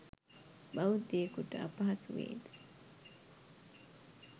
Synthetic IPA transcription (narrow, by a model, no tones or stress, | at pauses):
bɐwud̪eːkuʈɐɐ̰pɐɦɐsuʋḛːd̪e̥